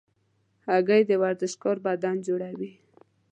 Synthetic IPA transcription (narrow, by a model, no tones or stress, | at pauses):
haɡəjd̪əwaɾd̪əʃkoɾbad̪ɑnd͡ʒoɽawi